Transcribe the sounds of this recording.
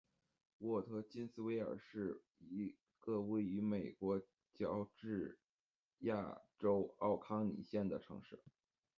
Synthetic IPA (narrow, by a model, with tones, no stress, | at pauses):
wɔ˥˩t̪ʰɤ˧˥t͡ɕi˥nsɹ̩˥˧we˥ɪə̰˞˨˩ʂɻ̩˥˩ | i˧˥ | ɡ̥ə˥˧we˥˩ɪy˧˥me˨˩ɪkwɔ˧˥ | t͡ɕjɑ˥ʊʈ͡ʂɻ̩˥˩ | ja̰˥˩ʈ͡ʂo˥ʊɑ˥˩ʊkʰɑ˥ŋnḭ˨˩ɕjɛ˥˩nd̪ə˩ʈ͡ʂʰɤ̰˧˥ŋʂɻ̩˥˩